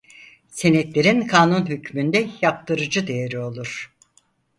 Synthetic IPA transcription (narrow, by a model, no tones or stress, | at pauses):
senɛt̪lʲe̞ɾinkʰaːnunɦycmynd̪ɛjap̚t̪ʰɯɾɯd͡ʒɯd̪e̞jeɾio̞lˠuɾ̥